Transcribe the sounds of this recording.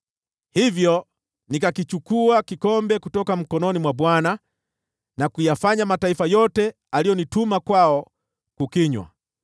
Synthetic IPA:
hivjɔ | nikakit͡ʃukuakikɔmbɛkutɔkam̩kɔnɔnimwabwana | nakujafaɲamataifajɔtɛ | alijɔnitumakwaɔ | kukiɲwa̰

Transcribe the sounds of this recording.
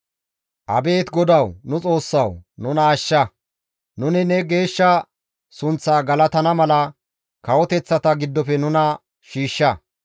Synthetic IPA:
ʔɐbe̞ːt̪ɡɔd̪ɐwnʊt͡sʼo̞ːsːɐwnʊnɐːʃːɐ | nʊnɪnɛɡe̞ːʃːɐ | sʊnt͡sːaːɡɐlɐt̪ɐnɐmɐlɐ | kɐwɔt̪ɛt͡sːɐt̪ɐɡɪd̪ːɔfɛnʊnɐ | ʃiːʃːɐ

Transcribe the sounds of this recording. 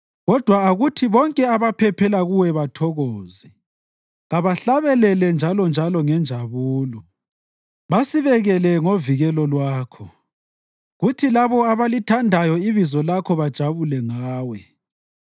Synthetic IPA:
ɣɔd̥ʱwaaɣutʰiβɔŋkʼɛaβapʰɛpʰɛlaɣuwɛβatʰɔɣɔːzɛ | ɣaβaɬaβɛlɛlɛnd͡ʒʱalɔnd͡ʒʱalɔŋɛnd͡ʒʱaβuːlɔ | βasiβɛɣɛlɛŋoviɣɛlɔlwaːkʰɔ | ɣutʰilaβɔaβalitʰandʱajɔiβizɔlakʰɔβad̥ʒ̥ʱaβulɛŋaːwɛ

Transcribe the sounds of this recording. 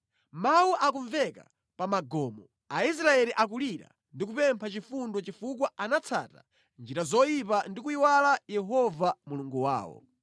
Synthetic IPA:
mawuʔakuɱvɛka̰ | pamaɡɔːmɔ | ais̬ɾaɛliʔak̬uliɾa̰ | ndikupɛmpʰat͡ʃifundɔt͡ʃifuk̬waanat͡sʰa̰ːta | nd͡ʒiɾazɔjipandikuiwalajɛɦɔvamuluŋɡuwa̰ːwɔ̰

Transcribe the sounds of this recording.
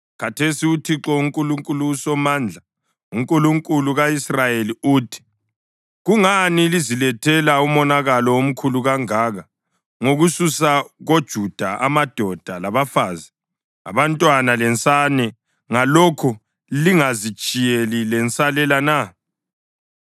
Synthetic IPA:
katʰesiutʰiǁɔuŋkʼuluŋkʼulusɔmand͡ɮʱa | uŋkʼuluŋkʼuluɣaisrajeliuːtʰi̥ | ɣuŋanilizilɛtʰɛlaumɔnaɣalɔom̩kʰuluɣaŋaːɣa | ŋoɣususaɣod̥ʒ̥ʱud̥ʱaʔamad̥ʱɔd̥ʱalaβafaːzi | a̰βantʼwanalɛnt͡sʼanɛ | ŋalɔkʰɔ | liŋazi̥t͡ʃʼijelilɛnt͡sʼalɛlana

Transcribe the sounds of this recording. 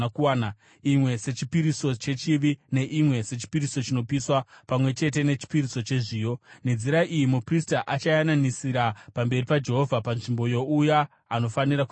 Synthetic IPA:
kuaːna | imwe̞se̞t͡ʃipiɾiso̞t͡ʃe̞t͡ʃiʋine̞ʔimwe̞se̞t͡ʃi̥piɾiso̞t͡ʃino̞piswapamwe̞t͡ʃe̞t̬e̞ne̞t͡ʃi̥piɾisot͡ʃe̞ʐiːjo̞ned͡ziɾaʔijimupristaʔat͡ʃajananisiɾapambe̞ripad͡ʒe̞ɦo̞vʱapanʐimbo̞jo̞ujaː | no̞fanirak

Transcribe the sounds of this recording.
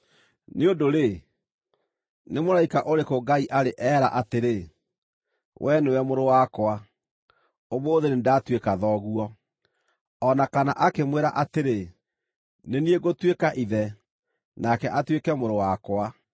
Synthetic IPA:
neondoɾe | nemoɾaikaʔoɾekoɡaiʔaɾeʔɛːɾa̰ʔateɾe | wʔɛnewɛmoɾowakwa | omoːðenendatwekaðɔɣuɔ | ɔnakanaʔakemweɾa̰ʔateɾe | nenieɣotwekaʔiðɛ | nakɛʔatwekɛmoɾowakwa

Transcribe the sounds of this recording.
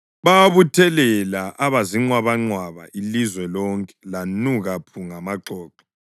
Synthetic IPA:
βaβutʰɛlɛlaʔaβaziŋ͡ǀwaβaŋ͡ǀwaβa̰ʔilizwɛlɔŋkʼɛ̥lanuɣapʰuŋamaǃɔːǃɔ̥

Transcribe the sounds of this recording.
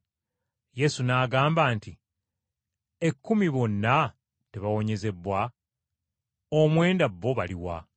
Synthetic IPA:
je̞sunaːɡaːmbaːnti | e̞kːumiβo̞nːa | teβawo̞ɲe̞ze̞bːwa | omwe̞ːndabːo̞βaliwa̰

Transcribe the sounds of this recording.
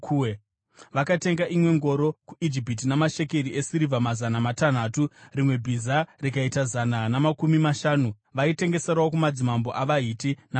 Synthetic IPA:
ʋakate̞ŋɡaʔimwe̞ŋɡo̞ɾo̞kuid͡ʒip̬it̬inamaʃe̞keɾiʔesiɾivʱamazanamatan̤aturimwe̞bʱizarikaitazananamakumimaʃaːnu | ʋaite̞ŋɡe̞seɾawokumad͡zimambo̞ʔaʋaitina

